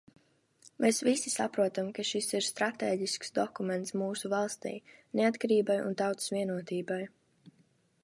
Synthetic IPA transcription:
mʔeːsvisisa̰pɾuɔt̪amkaʃisiɾst̪ɾat̪eːɟisksd̪ɔkumɛnt̪smuːsuvalˠst̪ḭːneat̪kaɾiːbajṵnt̪awt̪ssvʲiɛnuɔt̪iːbaj

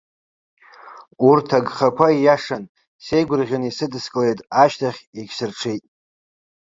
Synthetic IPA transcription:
urtʰaɡχakʷʰaijaʂan | se̞jɡʷʊrʁʲanisɨdɨskʼlejtʼaʃtʰaχʲeɡʲsɨrʈ͡ʂʰejtʼ

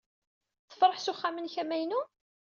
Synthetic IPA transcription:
θə̥fɾˤəħsuχːamənçæmæjnu

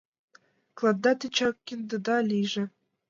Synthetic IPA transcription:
klˠɑd̪ːɑt̪ʲit͡ɕɑkʲːind̪ɤ̆d̪ɑlʲiʒɘ̆

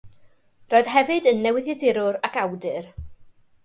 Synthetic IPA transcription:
roːɨð̥ɦɛvɨdənːɛwɪðjɛdɪɾʊɾakawdɨr

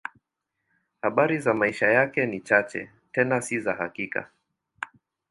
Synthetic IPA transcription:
haɓaɾizamaiʃajakɛnit͡ʃat͡ʃɛ̰ | tɛnasizahakika̰

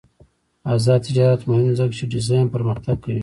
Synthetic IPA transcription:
azɑd̪̚t̪ɪd͡ʒɑɾat̪mohɪmzaɡt͡ʃeɖɪzɑjnpəɾmaxt̪ab̚kʰawi

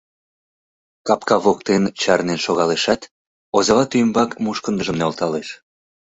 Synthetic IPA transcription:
kɑpkɑβokt̪ent͡ɕɑrnenʃoɣɑleʃɑt̪ | ozɑβɑt̪ymbɑkmuʃkənd̪əʒəmneolt̪ɑleʃ

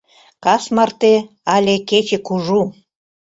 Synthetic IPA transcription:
kɑsmɑrt̪e | ɑlʲeket͡ɕekuʒu

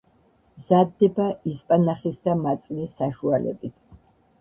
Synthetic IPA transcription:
zad̪ːɛbaispʼanaχisd̪amat̪sʼnisːaʃualɛ̰bit̪ʰ

